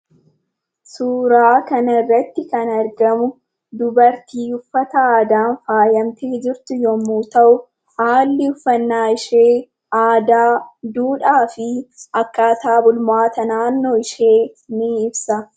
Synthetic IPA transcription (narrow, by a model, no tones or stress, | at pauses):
suːɾaːkɐnɐɪrːɐt̪ːɪkɐnɐɾɡɐmʊ | d̪ʊbɐɾt̪iːʊfːɐt̪ɐaːd̪aːnfaːjɐmt̪eːd͡ʒɪɾt̪ʊjɔmːuːt̪ɐʔʊ | haːlːɪʊfːɐnːaːɪʃeː | aːd̪aːd̪uːᶑaːfɪʔɐkːaːt̪aːbʊlmaːt̪ɐnaːnːo̞ːɪʃe̞ːnɪɪbsɐ